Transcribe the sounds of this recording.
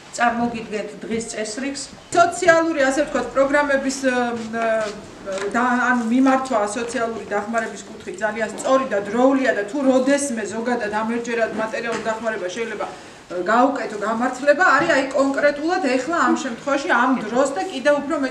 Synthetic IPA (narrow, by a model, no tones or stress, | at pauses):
t̪sʼaɾmɔɡid̪ɡɛnt̪ʰd̪ʁist̪sʼɛsɾiks | sɔt̪sʰialˠuɾiasɛft̪̚ʰkʰwat̪̚ʰpʼɾɔɡɾamɛbis | d̪aːnumimaɾt̪ʰwaːsɔt̪sʰialˠuɾid̪aχmaɾɛbiskʼut̪ʰχit̪̚ʰdzalianst̪sʼɔɾid̪ad̪ɾɔuliad̪at̪ʰuɾɔd̪ɛsmɛzɔɡad̪ad̪amɛɾd͡ʒɛɾad̪mat̪ʼɛɾialˠulˠd̪aχmaɾɛbaʃɛilɛba | ɡaukʼɛt̪ʰɔɡamaɾt̪ʰlɛbaːɾiajkʼɔŋkʼɾɛt̪ʼulˠad̪ɛχlˠaːmʃɛmt̪ʰχwɛvaʃiamd̪ɾɔsd̪akʼid̪ɛvupʰɾɔmɛ